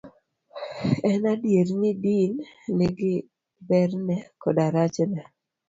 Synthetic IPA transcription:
ɛnadjeɾnɪdinlɪɡɪ | bɛɾnɛkɔdaɾat͡ʃnɛ

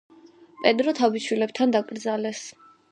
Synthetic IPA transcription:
pʼɛd̪ɾɔt̪ʰabiʃwilɛb̚t̪ʰand̪akʼɾd̪zalɛs

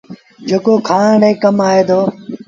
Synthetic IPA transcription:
d͡ʒeːkoːkʰaːɳɳẽːkəmaːɦeːd̪oː

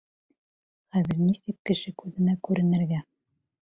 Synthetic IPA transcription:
χæðɘ̆ɾnisɘk̚kːɘ̆ʃɘkʉðɘ̆nækʉɾɘ̆nɘ̆ɾɡæ

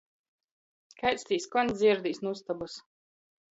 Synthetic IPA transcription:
kajt̪sʲt̪ʲiːskɔnʲzʲiɛɾd̪iːsnust̪abɔs

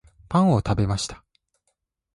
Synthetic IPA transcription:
pãɰ̃o̞t̪abe̞maɕi̥t̪ḁ

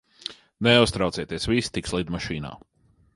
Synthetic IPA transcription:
nɛust̪ɾaw̪siɛt̪iɛsvist̪ikslˠid̪maʃiːna̰ː

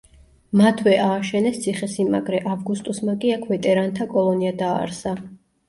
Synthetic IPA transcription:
mat̪ʰwɛʔaːʃɛnɛst̪sʰiχɛsima̰ɡɾɛʔavɡust̪ʼusmakʼiakʰvɛt̪ʼɛɾant̪ʰakʼɔlˠɔniad̪a̰ːɾsa

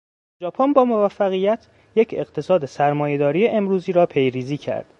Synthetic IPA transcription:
d͡ʒɒːpʰonbɒːmo̞væfːæɣijæt̪ʰ | jecʰe̞ɢt̪ʰe̞sɒːd̪esæɾmɒːje̞d̪ɒːɾijeʔemɾuːziːɾɒːpʰe̞jɾiːziːcʰæ̰ɾd̪̥

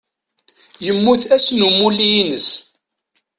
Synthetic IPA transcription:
jəmːuθæsnumulːiinəs

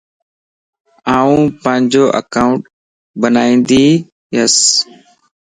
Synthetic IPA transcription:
aːũːpə̃ɦɪ̃ɲd͡ʒoːʔə̰kaːʊ̃ɳʈ | bənaːĩːnd̪iː | ɦəs

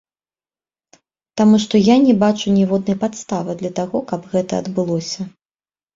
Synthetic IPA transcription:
t̪amuʂt̪ɔjanʲɛbat͡ʂunʲɛvɔd̪̚nɐjpat̪st̪avɨd̪lʲɐt̪aɣɔkɐbɣɛt̪ɐɐd̪bɨlˠɔsʲɐ

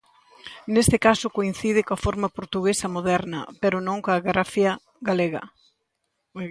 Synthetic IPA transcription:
nest̪ɪkasʊkoin̟θiðɪkoɐfoɾmɐpoɾt̪uɣesɐmoðɛɾnɐ̰peɾʊnõŋkoaɣɾafjɐ | ɣaleɣɐ̰

